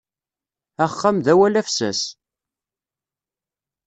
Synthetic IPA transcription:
æχːamðæwælæfsæ̰s

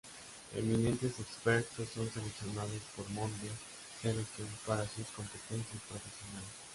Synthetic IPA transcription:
ḛminẽ̞nt̪e̞sekspeɾt̪osːo̞nseleksjo̞naðospoɾmõnd̪ja | selesjonpaɾasusko̞mpet̪ensjast̪ɾofesjonales

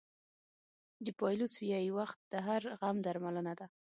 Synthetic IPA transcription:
d̪əpɑjloswijɑjiwaxt̪̚d̪̥əɦaɾɣamd̪aɾmalənad̪a

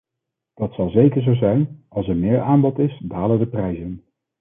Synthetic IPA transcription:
d̥ɑtsɑlˠzejkəɹzowzɛjnɑlˠsəɹmɪːɹaːmbɔtɪsdaːlədəprɛjzən

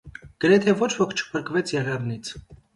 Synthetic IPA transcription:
ɡ̥əɾɛt̪ʰɛvɔt͡ʃʰvɔkʰt͡ʃʰə̥pʰəɾkvɛt͡sʰjɛʁɛvnit͡sʰ

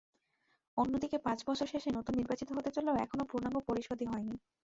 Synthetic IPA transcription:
onːod̪ikepãt͡ɕbɔt͡ɕʰoɾʃeʃenɔt̪onːiɾbat͡ɕit̪oɦot̪et͡ɕoleoɛkʰonopɾonaŋɡopoɾiʃod̪ʱiɦɔeni

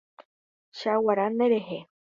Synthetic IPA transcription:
ʃawaɾaneɾeɦe

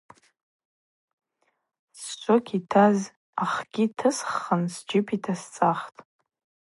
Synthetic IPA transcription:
st͡ʃʷʰʼokʲʰitʰaz | aχɡʲitʰɨsχːənsd͡ʒɪpʰitʰast͡sʼaχtʼ

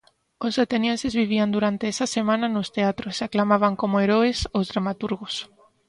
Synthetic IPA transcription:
osat̪enjensezβiβ̞iand̪uɾant̪eɛsasemãnanost̪eat̪ɾosaklamaβ̞aŋkomoeɾoesozðɾamat̪uɾɣos

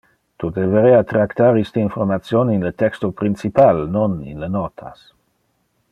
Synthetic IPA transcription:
t̪ud̪eveɾɛat̪ɾakt̪aɾist̪əinfoɾmat̪sjoninlət̪ɛkst̪opɾint͡sipalnonḭnlənɔt̪ʰa̰s

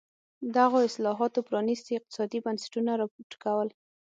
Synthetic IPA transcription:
d̪aɣoɪslɑɦɑt̪opɾɑnist̪iɪq̚t̪ɪ̥sɑd̪ibansɪ̥ʈunaɾɑpoɾʈkawəl

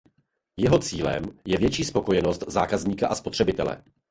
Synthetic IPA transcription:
jɛɦo̞t͡siːlɛ̰mjɛvjɛt͡ʃiːspo̞ko̞jɛno̞st̪zaːkazɲiːkaʔaspo̞t̪r̝̥ɛbɪt̪ɛlɛ̰

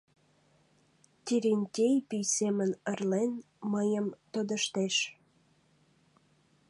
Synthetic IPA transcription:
t̪ʲiɾenʲt̪ʲejpijsemənərlen | məjəmt̪od̪əʃt̪eʃ

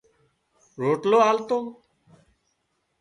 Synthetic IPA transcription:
ɾoʈloalt̪om

